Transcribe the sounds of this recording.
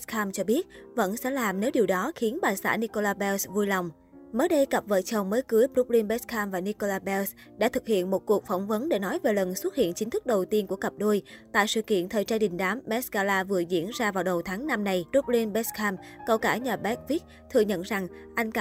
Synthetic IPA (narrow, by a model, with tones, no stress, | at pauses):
skʰaː˧mt͡ɕɔ˧ɓi˦˥ət̚və̰˧˥nsɛ̰˧˥laː˨˩mne˨˦wɗi˨˩əwɗɔ˨˦xi˨˦ənɓaː˨˩sa̰ː˧˥˩ni˧ko˧laː˧ɓɛ˧wsvu˧jlɔ˨˩wŋ͡m | məː˨˦jɗə˧jkə˨˩p̚və̰ː˧˨t͡ɕə˨˩wməː˨˦jkɨ˨˦əjpɾu˦˥p̚li˧nɓɛ˦˥skʰaː˧mvaː˨˩ni˧ko˧laː˧ɓɛ˧s | ɗa̰ː˧˥t̪ʰɨ˨˩k̚hḭ˧˨ənmo˨˩t̚ku˨˩ək̚fɔ˧˩wŋ͡mvə˨˦nɗe˧˩nɔ˨˦jve˨˩lə˨˩nswə˦˥t̚hḭ˧˨ənt͡ɕï˨˦t̪ʰɨ˦˥k̚ɗə˨˩wt̪i˧ənku˧˩əkə˨˩p̚ɗu˧jt̪a̰ː˧˨jsɨ̰˧˨kḭ˧˨ənt̪ʰəː˨˩jt͡ɕaː˧ɗï˨˩ŋ̟ɗaː˨˦mːɛ˦˥skaː˧laː˧vɨ˨˩əzḭ˧˥ənzaː˧vaː˨˩wɗə˨˩wt̪ʰaː˨˦ŋna˧mna˧jpɾu˦˥p̚li˧nɓɛ˦˥skʰaː˧mkə˧˩wkaː˧˩ɲaː˨˩ɓɛ˦˥k̚vi˦˥k̚ | t̪ʰɨ˨˩əɲə̰˧˨nza˨˩ŋʔa˧jŋ̟kː